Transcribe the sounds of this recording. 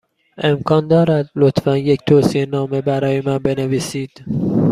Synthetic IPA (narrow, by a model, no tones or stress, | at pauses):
ʔe̞mkʰɒːnd̪ɒːɾæd̪lot̪ʰfænject̪ʰoːsienɒːme̞bæɾɒːjemænbe̞neviːsiːd̪̥